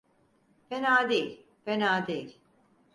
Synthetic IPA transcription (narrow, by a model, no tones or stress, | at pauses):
fenaːd̪ejilʲ | fenaːd̪ejilʲ